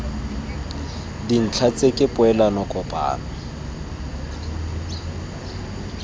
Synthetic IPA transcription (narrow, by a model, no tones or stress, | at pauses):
din̩t͡ɬʰat͡sʼekʼɪpʼʊɛlanɔkʼɔpʼa̰ːna